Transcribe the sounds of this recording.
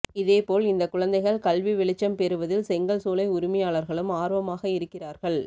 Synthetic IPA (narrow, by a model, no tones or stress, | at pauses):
ɪðeːpoːlɪnd̪ɐkːʊɻɐnd̪ɐɪɣɐɭkɐlʋiʋɪɭɪt͡ʃːɐmpɛɾɯʋɐðɪlsɛŋɡɐɭsoːlɐɪʊɾɪmɐjaːɭɐɾɣɐɭɯmaːɾʋɐmaːɣɐɪɾɯkːɪraːɾɣɐɭ